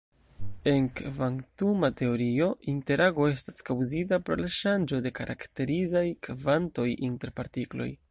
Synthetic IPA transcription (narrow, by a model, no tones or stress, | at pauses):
e̞ŋkvaŋtumate̞o̞ɾio̞inte̞ɾaɡo̞e̞staskawzit̬apɾo̞̰laʃand͡ʒo̞de̞kaɾʔa̰kte̞ɾizajkvanto̞jinte̞ɾpaɾtiklo̰j